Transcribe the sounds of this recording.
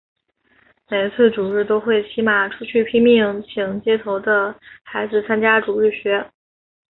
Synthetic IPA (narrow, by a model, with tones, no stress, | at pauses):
ne˨˩ɪt͡sʰwə˥˩ʈ͡ʂu˨˩ɻɻ̩˥˩t̪o˥ʊxwe˥˩ɪt͡ɕʰi˧˥ma˨˩ʈ͡ʂʰu˥t͡ɕʰy˥˩pʰi˥ŋmi˥˩ŋt͡ɕʰi˧˩ŋt͡ɕjɛ˥t̪ʰo˧˥ʊd̪ə˧xa˧˥ɪd͡zɹ̩˥˧t͡sʰa˥nt͡ɕja˥ʈ͡ʂu˨˩ɻɻ̩˥˩ɕɥɛ˧˥